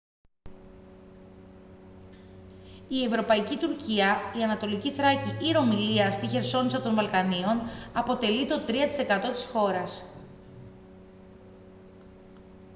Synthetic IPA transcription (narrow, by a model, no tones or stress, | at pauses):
ie̞vɾo̞pɐicit̪uɾciɐiɐnɐt̪o̞liciθɾɐciʔiɾo̞miliɐst̪içe̞ɾso̞nisɐt̪o̞nvɐlkɐnio̞nɐpo̞t̪e̞lit̪o̞t̪ɾiɐt̪i̥se̞kɐt̪o̞t̪i̥sxo̞ɾɐs